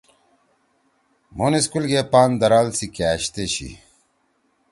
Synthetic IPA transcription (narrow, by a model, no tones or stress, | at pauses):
moneskulɡepaːnd̪ɐɾalsikaːɕt̪eɕḭ